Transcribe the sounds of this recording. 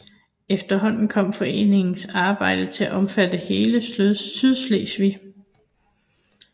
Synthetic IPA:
efd̥ɐɦɒ̽n̰n̩kʰɒ̽m̰fɒ̽e̝̰ːne̝ŋn̩sɑ̈ːb̥ɑ̈ɪ̰d̥ət͡sʰe̝æʔɒ̽mfæd̥əhe̝ːləssyðˠsleːsʋi

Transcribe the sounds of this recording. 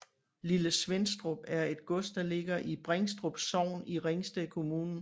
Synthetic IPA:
liləsʋensd̥ʁob̥æɐe̝d̥̚ɡ̥ɔ̽sd̥̚d̥ɑ̈le̝ɡ̥ɐʔib̥ʁeŋsd̥ʁob̥sɒʊ̰niʁeŋsd̥ekʰo̝muːnn̩

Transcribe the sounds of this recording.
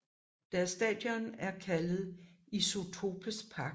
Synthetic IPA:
d̥æɐsd̥ɛ̰ːd̥jɒnæɐkʰælð̩ˠiso̝t͡sʰo̝bʰəspʰɑ̈ɡ

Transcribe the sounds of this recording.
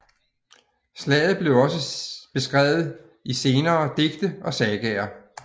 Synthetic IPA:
slɛ̰ːð̩ˠb̥le̝ʊɒ̽səb̥e̝sɡ̥ʁɛ̰ːʊð̞̩ˠ | ise̝ːnɐːd̥e̝ɡ̥̚d̥əɒ̽sɛɡ̥ɛːɐ

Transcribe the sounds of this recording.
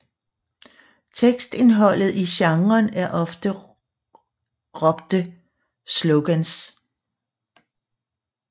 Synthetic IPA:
t͡sʰeɡ̥sd̥e̝nɦɒ̽l̰ð̞̩ˠiɕɑ̈ŋɐːnæɐʔɒ̽fd̥ə | ʁɒ̽b̥d̥ə | sloɡ̥æns

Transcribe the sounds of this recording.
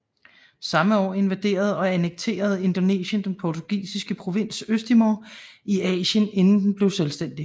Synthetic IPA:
sɑ̈məɒ̰ːe̝nʋæd̥e̝̰ːɐð̞̩ˠɒ̽ænəɡ̥̚t͡sʰe̝̰ːɐð̞ˠe̝nd̥ɒ̽ne̝̰ːɕənd̥enpʰɒt͡sʰoɡ̥ḭːsisɡ̥əpʰʁo̝ʋe̝n̰søsd̥imoiɛ̰ːɕəne̝nn̩d̥n̩b̥le̝ʊselsd̥en̰d̥i

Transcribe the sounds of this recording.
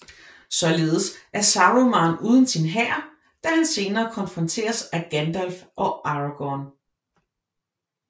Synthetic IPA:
sɒ̽le̝ːð̞̩ˠəsʔæɐsɑ̈ʁomɑ̈ːnuːð̞ˠən̩sinɦæɐ̰ | d̥æɦænse̝ːnɐːkʰɒ̽nfʁɒ̽nt͡sʰe̝̰ːɐsæɡ̥ænd̥ɒlfʔɒ̽ʔɑ̈ʁɑɡ̥ɒn

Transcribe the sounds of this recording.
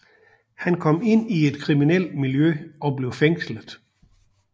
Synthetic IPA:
hænkʰɒ̽m̰e̝n̰ie̝d̥kʰʁiminel̰d̥miljøɒ̽b̥le̝ʊfeŋ̰sləðˠ

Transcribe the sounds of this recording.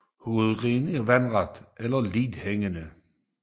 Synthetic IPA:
hoð̩ˠʁeːnəʋænʁɑd̪̥ʔelɐlidheŋənə

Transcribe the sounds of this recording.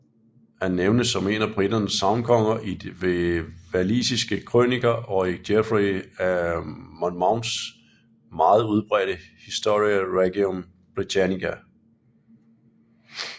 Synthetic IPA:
hænːeʊnəsɒ̽me̝̰ːnɐb̥ʁid̥ɐnəsːɑ̈ʊnkʰɒ̽ŋ̰ɐʔid̥ʋeʋælḭːsisɡ̥əkʰʁø̰niɡ̥ɐʔɒ̽id̥efʁiæmɒnmäʊn̥s | mɑ̈ːð̞̩ˠuð̞ˠb̥ʁɛːɾ̥əhisd̥o̝ʁiæʁeɡ̥iɔm | b̥ʁit͡sʰænikʰæ

